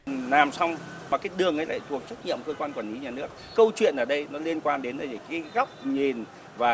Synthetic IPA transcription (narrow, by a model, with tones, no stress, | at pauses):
laː˨˩msa˧wŋ͡m | maː˨˩kaː˨˦jɗɨ˨˩əŋʔə˨˦la̰ː˧˨jt̪ʰu˨˩ək̚t͡ɕa˦˥t̚ɲḭ˧˨əmkəː˧kwaː˧nkwaː˧˩nli˨˦ɲaː˨˩nɨ˦˥ək̚ːə˧wt͡ɕwḭ˧˨ənʔəː˧˩ɗə˧jnɔ˨˦li˧ənkwaː˧nɗe˨˦nə˨˩ə˧˩kaː˨˦jɣa˦˥wk͡p̚ɲi˨˩n | vaː˨˩